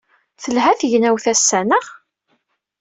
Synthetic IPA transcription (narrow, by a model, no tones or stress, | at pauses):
θəlɦæθʝnæwθæsːænəʁ